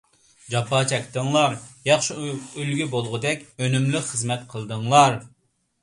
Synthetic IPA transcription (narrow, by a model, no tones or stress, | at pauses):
d͡ʒɑpːɑːt͡ʃʰɛkʲt̪əŋlˠɑɾjɑχʃiølɡʲybolˠʁʊd̪ɛkʲønymlyχəzmɛt̪qʰəlˠd̪ɨŋlˠɑɾ